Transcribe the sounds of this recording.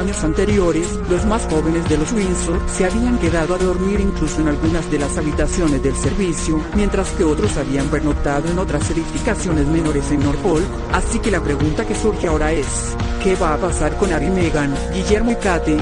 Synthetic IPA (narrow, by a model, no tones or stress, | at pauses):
ɲo̞sant̪e̞ɾjo̞ɾe̞s | lo̞zmasxo̞βe̞nezðe̞lo̞swinsoseaβiaŋke̞ðaðoaðo̞ɾmiɾiŋklusoe̞nalɣunazðe̞lasaβit̪asjo̞ne̞zðe̞lse̞ɾβisjomje̞nt̪ɾaske̞o̞t̪ɾo̞saβiampeɾno̞kt̪aðo̞eno̞t̪ɾaseɾifikasjo̞ne̞zme̞no̞ɾe̞se̞nːo̞ɾpo̞l | asike̞lapɾe̞ɣunt̪ake̞suɾxeao̞ɾae̞s | ke̞βaːpasaɾko̞naβimeɣan | ɡiʝe̞ɾmojkat̪e